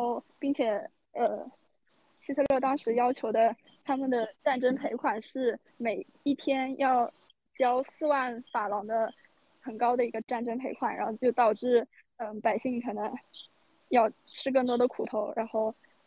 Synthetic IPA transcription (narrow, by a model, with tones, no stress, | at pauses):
o˥˩ʊpi˥˩ŋt͡ɕʰjɛ˨˩ | ə˧˩ | ɕi˥t̪ʰɤ˥˧lɤ˥˩t̪ɑ˥ŋʂɻ̩˧˥jɑ˥ʊt͡ɕʰjo˧˥ʊd̪ə˧ | t̪ʰa˥mə˨nd̪ə˩ʈ͡ʂa˥˩nʈ͡ʂə˥ŋpʰe˧˥ɪkʰwa˨˩nʂɻ̩˥˩ | me˨˩ɪ | i˥˩t̪ʰjɛ˥njʔɑ˥˩ʊ | t͡ɕjɑ˥ʊsɹ̩˥˧wa˥˩nfa˨˩lɑ˧˥ŋd̪ə˧ | xə˨˩nkɑ˥ʊd̪ə˨˩i˧˥ɡə˧ʈ͡ʂa˥˩nʈ͡ʂə˥npʰe˧˥ɪkʰwa˨˩nɻa̰˧˥xo˥˧ʊt͡ɕjo˥˩ʊt̪ɑ˨˩ʊʈ͡ʂɻ̩˥˩ | ə˧pa˨˩ɪɕi˥˩ŋkʰɤ˨˩nɤ˧˥ŋ | jɑ˥˩ʊʈ͡ʂʰɻ̩˥k̬ɤ˥˩ŋt̪wɔ˥d̪ə˧kʰu˨˩t̪ʰo˧˥ʊɻa˧˥nxo˥˩ʊ